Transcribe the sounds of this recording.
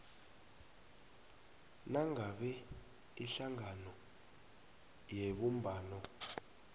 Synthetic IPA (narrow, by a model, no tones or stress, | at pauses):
naŋaɓɛ | iɬaŋanɔ | jeɓum̩bʱaːnɔ